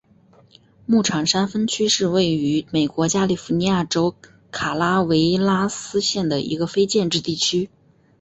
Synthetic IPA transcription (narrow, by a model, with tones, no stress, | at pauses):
mu˥˩ʈ͡ʂʰɑ˨˩ŋʂa˥nfə˥nt͡ɕʰy˥ʂɻ̩˥˧we˥˩ɪy˧˥me˨˩ɪkwɔ˧˥t͡ɕja˥li˨˩fu˧˥ni˧˥ja˥˩ʈ͡ʂo˥ʊ | kʰa˨˩la˥we˧˥ɪla˥sɹ̩˥ɕjɛ˥˩nd̪ə˩ʔḭ˧˥ɡə˧fe˥ɪt͡ɕjɛ˥˧nʈ͡ʂɻ̩˥˧t̪i˥˩t͡ɕʰy˥